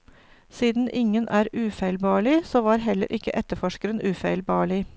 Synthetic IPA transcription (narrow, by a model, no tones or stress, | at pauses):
siːd̪n̩ʔɪŋənʔæːɾʉːfæɪlbɑːɭɪsoːʋɑːɾɦɛlə̰ɾʔɪkːəʔɛt̪əfɔʃkəɾənʔʉːfæɪlbɑːɭɪ